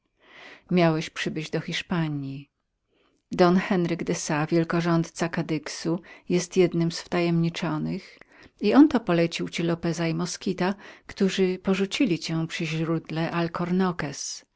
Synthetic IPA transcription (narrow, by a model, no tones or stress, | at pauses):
mʲjawɛɕpʂɘbɘd͡ʑd̪ɔxʲiʂpaɲi | d̪ɔnxɛnɾɘɡd̪ɛsavʲjɛlkɔʐɔnt̪t̪sakad̪ɘksujɛst̪jɛd̪nɘmsft̪ajɛmɲit͡ʂɔnɘx | iɔnt̪ɔpɔlɛt͡ɕiwt͡ɕilɔpɛzaimɔskʲit̪akt̪uʐɘpɔʐut͡ɕilʲit͡ɕɛ̃pʂɘʑɾud̪lɛʔalkʰɔɾnɔkɛs